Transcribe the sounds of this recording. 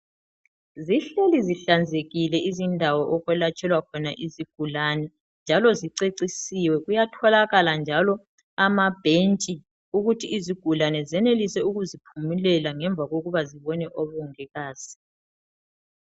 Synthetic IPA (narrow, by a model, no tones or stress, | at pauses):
ziɬeliziɬand͡zʱeɣilɛʔizindʱawɔʔɔɣwɛlat͡ʃʼɛlwakʰɔnaʔiziɡ̥ʱulanɛ | nd͡ʒʱalɔziǀeǀisiwɛɣujatʰɔlaɣaland͡ʒʱalɔ | amab̥ʱent͡ʃʼi | uɣutʰiːziɡ̥ʱulanɛzɛnelisɛuɣuzipʰumilɛlaŋɛɱb̪vʱaɣoɣuβaziβɔnɛʔɔβɔŋɛɣaːz̥i̥